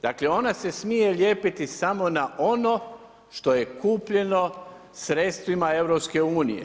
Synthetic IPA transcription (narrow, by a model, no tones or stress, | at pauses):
d̪akleo̞nase̞smije̞lje̞ːpit̪isamo̞naʔo̞no̞ | ʃt̪o̞je̞kuːpʎe̞no̞ | sɾe̞t̪st̪ʋimae̞ʋwɾopske̞uːnḭjḛ